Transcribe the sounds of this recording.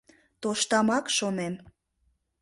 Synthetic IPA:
t̪oʃt̪ɑmɑkʃonem

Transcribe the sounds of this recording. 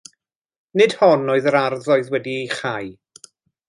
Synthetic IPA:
nɨd̥hɔnoːɨðəɾarðɔɨðwɛdieχaj

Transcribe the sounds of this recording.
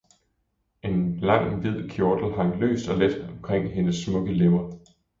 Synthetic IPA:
e̝nlɑ̈ŋ̰ʋið̰ˠkʰjod̥l̩ɦɑ̈ŋlø̰ːsd̥ɒ̽led̥ɒ̽mkʰʁeŋ̰ɦe̝nəsːmɔ̽ɡ̥əlemɐ

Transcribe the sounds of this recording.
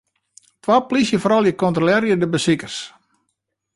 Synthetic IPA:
tʋaplisjəfɔɾɔlˠjəkɔntrolɛɾjədəbəsikərs

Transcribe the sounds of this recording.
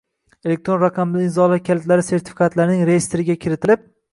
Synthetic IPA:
elek̚t̪ɾo̞nɾaqʰɑmd̪ɪɪzɒlaɾkʲʰalt̪laɾɪse̞ɾt̪ʰɪ̥fʲi̥kʰɑt̪laɾnɪŋɾejest̪ɾɪɡʲakʲʰɪɾɪt̪ʰɪlɪp̚

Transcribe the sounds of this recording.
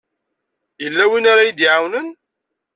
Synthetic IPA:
jəlːæwinaɾajid̪iʕawnən

